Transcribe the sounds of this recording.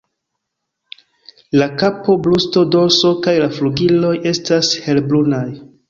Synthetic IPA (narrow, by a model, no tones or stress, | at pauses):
lakapo̞blusto̞do̞ɾso̞kajlafluɡilo̞je̞stashe̞lblunaj